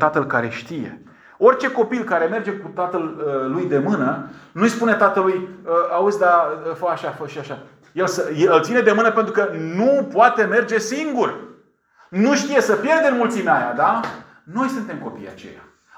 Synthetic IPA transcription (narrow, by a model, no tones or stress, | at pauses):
t̪at̪əlkaɾe̞ʃt̪ije̞̰ | o̞rʲt͡ʃe̞ko̞pilkaɾe̞me̞rd͡ʒe̞kut̪at̪ələːujd̪e̞mɨnənuijspune̞t̪at̪əlujəausʲd̪afəaʃafəʃiaʃa | jelsəjeɨlt̪sined̪e̞mɨnəpe̞nt̪ɾukənupoat̪e̞me̞rd͡ʒe̞siŋɡur | nuʃt̪ije̞səpje̞rd̪e̞nmult̪simeaja̰d̪a | no̞jsunt̪e̞mko̞pḭja̰t͡ʃe̞̰ja̰